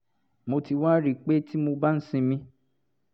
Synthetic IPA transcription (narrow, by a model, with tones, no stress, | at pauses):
mo˧ti˧wã˦ɾi˨k͡pe˦ti˦mo˧ba˦n̩˦sĩ˧mĩ˧